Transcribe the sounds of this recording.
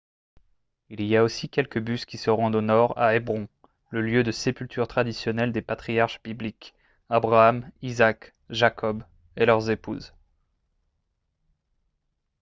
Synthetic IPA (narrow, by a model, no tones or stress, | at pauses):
iliaosikʲɛlkəbyskʲisəʁɑ̃d̪onɔʁa̰ebʁɔ̃ | ləljød̪əsepylt̪yʁt̪χad̪isjɔnɛld̪epat̪χijaʁʃb̥iblik | abʁaamizak | ʒakʰɔb | elœʁzepṵz